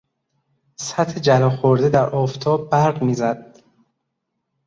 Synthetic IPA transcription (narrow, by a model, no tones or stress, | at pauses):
sæt̪hed͡ʒælɒːxoɾd̪ed̪æɾʔɒːft̪ʰɒːbːæɾɣmiːzæd̪̥̚